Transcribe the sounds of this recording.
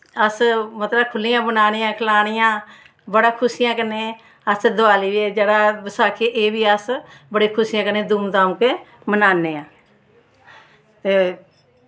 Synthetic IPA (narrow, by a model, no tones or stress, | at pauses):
əsmət̪ləkʰʊlːɪjãːbənaːnɪjãːkʰəlaːñɪjãː | bəɽaːkʰʊsijãːkənːeː | əsd̪ʊaːliːʋeːd͡ʒeːɽaːbəsaːkʰeːʔeːbiːəsbəɽeːkʰʊsijãːkəneːd̪uːmd̪aːũːkeː | mənaːneːãː | t̪eː